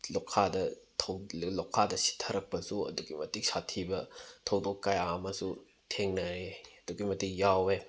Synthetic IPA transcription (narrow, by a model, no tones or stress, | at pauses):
lokʰːadɐ | tʰɐwlokʰːadɐsi̥tʰɐɾɐk̚pɐsuɐ̰duɡimɐtik̚satʰibɐtʰɐwdokːajaɐmɐsu | tʰeŋnɐɾeɐd̥uɡimɐtik̚jawe